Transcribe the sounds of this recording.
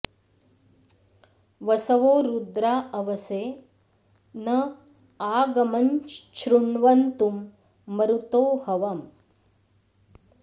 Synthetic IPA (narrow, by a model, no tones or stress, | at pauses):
ʋɐsɐʋoːɾud̪ɾaːɐʋɐseː | nɐ | aːɡɐmɐɲt͡ʃʃɾuɳʋɐnt̪umː | ɐɾut̪oːhɐʋɐm